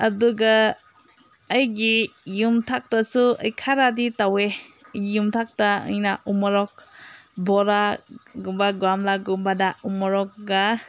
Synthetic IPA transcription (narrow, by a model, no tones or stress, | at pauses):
ɐduɡa | jɡijumtʰak̚tasuɐjkʰaɾaditaweijumtʰak̚taɐ̰jnaʔumɔɾɔk̚bɔɾaɡumbaɡwamlaɡumbadaumɔɾɔk̚ɡa